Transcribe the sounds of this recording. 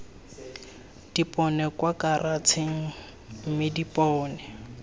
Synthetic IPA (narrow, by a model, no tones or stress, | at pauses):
d̥ipʼɔnɛkwakʼarʔat͡sʰeŋ̩ | m̩mɪdipʼɔːnɛ